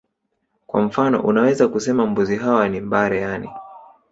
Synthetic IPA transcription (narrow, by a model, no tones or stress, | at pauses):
kwa̰m̩fanɔ̰ʔunawɛzakusɛmambuziɦawanimbaɾɛjanḭ